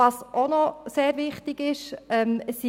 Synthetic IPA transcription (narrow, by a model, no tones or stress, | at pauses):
ɑsʔonɔseːɾʋɪχtɪɡ̥ɪʃɛməsi